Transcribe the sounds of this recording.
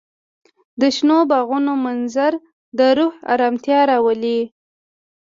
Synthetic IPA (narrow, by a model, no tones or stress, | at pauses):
d̪əʃnobaɣunomanzaɾ | d̪əɾuha̰ɾɑmt̪jɑɾɑwəli